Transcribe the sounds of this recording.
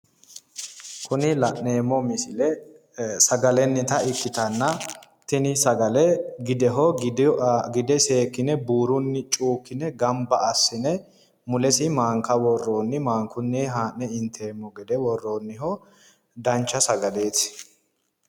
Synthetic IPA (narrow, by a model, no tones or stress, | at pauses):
kʊnɪlɐʔne̞ːmːɔmɪsɪlɛ | sɐɡɐlɛnːɪt̪ɐɪkːɪt̪ɐnːɐ | t̪ɪnɪsɐɡɐlɛɡɪd̪ɛɦɔ | ɡɪd̪ɛse̞ːkːɪnɛbuːɾʊnːɪt͡ʃʼuːkːɪnɛɡɐmbɐɐsːɪnɛ | mʊlɛsɪmaːŋkɐwɔrːoːnːɪmaːŋkʊnːɪɦaːʔːɛɪnt̪ʰe̞ːmːɔɡɛd̪ɛwɔrːoːnːɪɦɔ | d̪ɐnt͡ʃːɐsɐɡɐle̞ːs